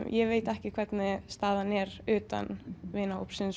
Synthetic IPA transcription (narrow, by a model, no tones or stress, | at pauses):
jɛveːjt̪ɛhcɪkʰv̥ɛt̪nɪst̪aːðanɛɾʏːt̪a̰nvɪːnao̰wpsɪns